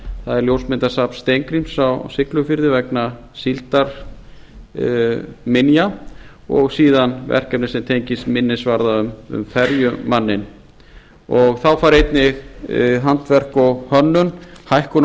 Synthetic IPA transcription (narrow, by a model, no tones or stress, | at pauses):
θaðɛɾljowlsmɪnt̪ḁsapst̪ejŋkɾimsawsɪklʏfɪɾðɪvɛkna | silt̪aɾ̥ | mɪnja | ɔ̰ɣsiːðanvɛ̰r̥kɛpnɪsɛmt̪ʰejɲcɪst̪mɪnːɪsvaɾðaʏmʏ̰mfɛɾjʏmanːɪn | ɔɣθawfaːɾejt̪nɪ | ɦant̪vɛr̥kɔɣhœnːʏnhajhkʏn